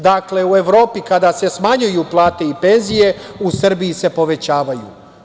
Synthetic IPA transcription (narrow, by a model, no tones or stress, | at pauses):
d̪akle̞ue̞ʋɾo̞ːpikad̪ase̞smaɲujuplˠaːt̪e̞ipe̞nzije̞usr̩biise̞po̞ʋe̞t͡ɕaːʋajṵ